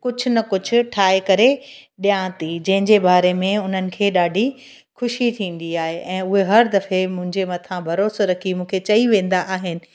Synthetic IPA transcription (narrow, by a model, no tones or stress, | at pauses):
kʊd͡ʑʱʊ̆nɐkʊd͡ʑʱʊ̆ʈʰaːɦekɐɾeɗijãːt̪id͡ʑɐ̃ɦɪ̃ɲd͡ʑebaːɾemẽʊn̤ənɪ̆kʰeːɗaːɖʱi | xʊʃit̪ʰĩːnd̪iaːɦeʔɛ̃ːʊɦeɦɐɾd̪ɐfemʊ̃ɦɪ̃ɲd͡ʑemɐt̪ʰãbʱɐɾoːsoɾɐkʰimũːkʰet͡ɕɐiʋẽːn̆d̪aʔaːɦɪnɪ̆